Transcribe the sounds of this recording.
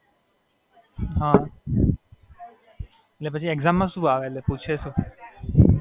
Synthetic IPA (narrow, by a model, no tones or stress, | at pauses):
ɦã | etlepət͡ʃʰieɡzamːãsuaʋelleput͡ʃʰesũ